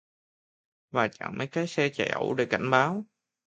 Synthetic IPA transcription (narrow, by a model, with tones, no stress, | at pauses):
vaː˨˩t͡ɕa̰˧˨ŋmə˨˦jkaː˨˦jsɛ˧t͡ɕa̰˧˩ʔə̰˧˩wɗe˧˩ka˧˩jŋ̟ɓaː˨˦w